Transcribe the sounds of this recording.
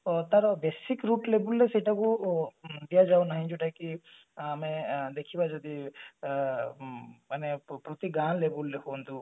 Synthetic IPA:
t̪aɾbesikɾuʈlebulːesejʈaku | d̪ijad͡ʒawnaɦĩd͡ʒɔʈajki | amed̪ekʰibad͡ʒɔd̪i | manepɾɔt̪iɡanlebulːekɔnt̪u

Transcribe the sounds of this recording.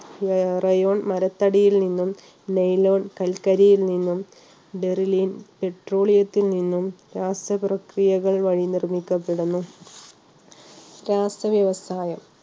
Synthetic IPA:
rɐjo̞ːɳmɐɾɐt̪ːɐɽijilninːum | nejloːɳkɐlkɐɾijilninːum | ɖe̞riliːnpe̞ʈro̞ːɭijɐt̪ːilninːumɾaːsɐprɐkrijɐɣɐɭʋɐɻinirmikʲːɐpːe̞ɽunːu | ɾaːsɐʋjɐʋɐsaːjɐm

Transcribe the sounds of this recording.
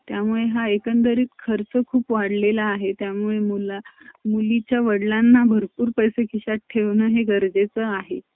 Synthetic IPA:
t̪jamuɭeɦaekənd̪əɾiːt̪kʰəɾt͡səkʰuːpʋaɽlelaːɦet̪jamuɭemulamulit͡ɕjaʋəɽlanːabʱəɾpuːɾpəjsekʰiɕaʈʈʰːeʋnəːɦeɡəɾd͡zet͡səaɦe

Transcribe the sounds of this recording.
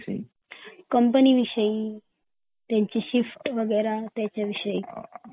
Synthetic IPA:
kəmpəniʋiʂəi | t̪jãɲt͡ɕiɕifʈʋəɡəɾat̪jat͡ɕjaʋiʂəiː

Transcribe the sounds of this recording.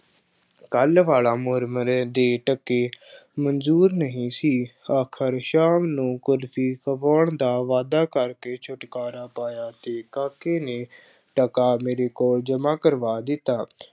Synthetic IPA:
kəlʋaːlaːmʊɾməɾed̪eːʈəkːeːmənzuːɾnəɦĩːsiːaːkʰəɾʃaːmnũːkʊlfʰiːkəʋaːɳd̪aːʋaːd̪aːkəɾkeːt͡ʃʰʊʈkaːɾaːpaːjaːt̪eːkaːkeːneː | ʈəkaːmeːɾeːkoːld͡ʒəmãːkəɾʋaːd̪ɪt̪ːaː

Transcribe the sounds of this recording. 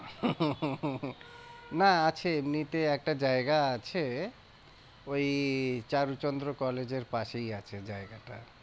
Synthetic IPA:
naat͡ɕʰeemnit̪eɛk̚ʈad͡ʑaeɡaat͡ɕʰe | ojt͡ɕaɾut͡ɕond̪ɾokɔled͡ʑeɾpaʃejat͡ɕʰed͡ʑaeɡaʈa̰

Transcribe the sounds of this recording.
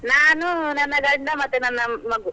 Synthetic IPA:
naːnunɐnːɐɡɐɳɖɐmɐt̪ːenɐnːɐmɐɡu

